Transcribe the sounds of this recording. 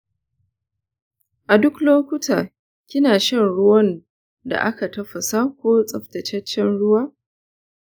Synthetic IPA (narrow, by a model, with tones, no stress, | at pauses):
ʔa˨dʊ˦kloː˦kʷʊ˦taː˨ | kʲɪ˦naː˨ʃɛ˦nɽʊ˦wɐ˦n | da̰˨ʔa˦ka˨tɐ˦ɸɐ˨saː˦kʷoː˦t͡sʼɐ˨ɸtɐ˨t͡ʃɛ˦t͡ʃːɛ˦nɽʊ˦waː˦